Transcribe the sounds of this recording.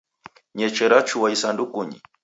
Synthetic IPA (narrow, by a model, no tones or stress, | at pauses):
ɲɛt͡ʃɛɾat͡ʃuwaisandukuɲḭ